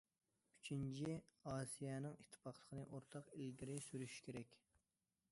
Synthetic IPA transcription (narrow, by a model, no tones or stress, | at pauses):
y̥t͡ʃʰint͡ʃʰiɑːsijɛnɨŋit̪ʰːɨ̥pɑχlˠə̥qʰənɨʔoɾt̪ʰɑqilɡʲiɾɪsyɾyʃi̥kʲʰeɾɛkʲ